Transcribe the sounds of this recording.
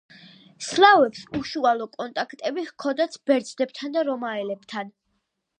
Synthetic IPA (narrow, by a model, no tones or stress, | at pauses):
slˠavɛpsuʃualˠɔkʼɔnt̪ʼakʰt̪ʼɛbihkʰɔd̪at̪sʰb̥ɛɾd̪zd̪ɛb̚t̪ʰand̪aɾɔmaɛlɛb̥t̪ʰan